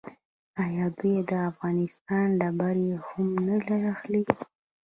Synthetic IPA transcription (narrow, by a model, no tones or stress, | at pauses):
ajɑd̪ujed̪əafɣɑnɪst̪ɑnɖabaɾehʊmnəlaɾaxli